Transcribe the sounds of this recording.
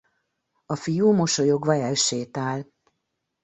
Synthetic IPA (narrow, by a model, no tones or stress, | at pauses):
ɒfijuːmo̞ʃojo̞ɡʋɒɛlʃeːt̪aːl